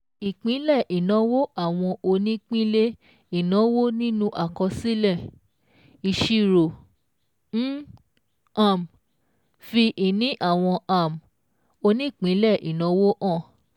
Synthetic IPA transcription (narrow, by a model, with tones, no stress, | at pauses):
i˨k͡pĩ˨˦lɛ˦˨ʔi˨nã˨˦wo˦ʔa˦˨w̃ɔ̃˧ʔo˧nĩ˦k͡pĩ˦le˦ | i˦˨nã˨˦wo˦nĩ˦nũ˦ʔa˦˨kɔ˧si˦lɛ˦˨ | i˨ʃi˧ɾo˨˦ | a˦˨m | fi˧ʔi˨nĩ˨˦ʔa˦˨w̃ɔ̃˧a˨m˨ | o˧nĩ˦i˦˨k͡pĩ˨˦lɛ˦˨ʔi˨nɔ̃˨˦wo˦ʔɔ̃˦˨